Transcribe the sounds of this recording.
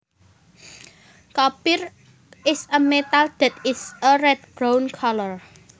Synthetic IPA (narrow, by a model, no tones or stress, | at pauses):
kapɪr | ɪsəmet̪ald̪̥ɛ̤t̪ɪsərɛd̚b̥ɾawnkʰalɔr